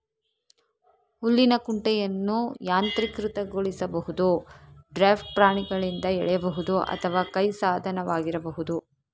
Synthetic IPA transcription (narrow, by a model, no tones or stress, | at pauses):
ulːinɐkuɳʈɛjɐnːujaːnt̪ɾikɾɯt̪ɐɡoɭisɐbɐhud̪uɖɾaːpʰʈ̚pɾaːɳiɡɐɭind̪ɐɛ̰ɭɛjɐbɐɦud̪uʔɐ̰t̪ʰɐʋaːkɐjsaːd̪ʱɐnɐʋaːɡiɾɐbɐɦud̪u